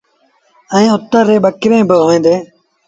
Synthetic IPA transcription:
əĩːʊt̪ːəɾːeːɓəkɪɾẽːbəɦɦoːẽːnd̪eː

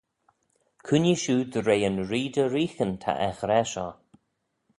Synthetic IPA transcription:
kʰuniʃuːd̪əɾeːənɹiːd̪əɾiːxənt̪ʰa̰ʔɛxɾɛʃɔː

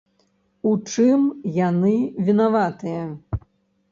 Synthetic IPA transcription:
ut͡ʂɨmjanɨvʲinavat̪ɨjɐ

